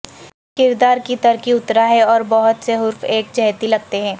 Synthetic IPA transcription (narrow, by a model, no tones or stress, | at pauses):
kɪɾd̪aːɾkit̪ɐɾkiʊt̪ɾaɦɛɔːɾbɔɦʊt̪seɦʊɾfeːk̚d͡ʒɛɦt̪ilɐɡ̚t̪eɦɛ̃ː